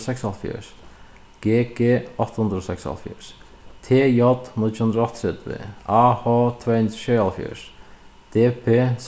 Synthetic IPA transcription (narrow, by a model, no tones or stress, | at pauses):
sɛksalfjø̰s | ɡ̥eːɡeːɔht̪hund̪ɾɔsɛksa̰lfjə̰ʂ | t̪ʰeːjɔt̪nɪt͡ʃhund̪ɾɔht̪ʰɾɛt̪ʋɪ̰ahɔt̪ʰvɛːnʃealfjʏ̰ʂd̪̥eːpʰes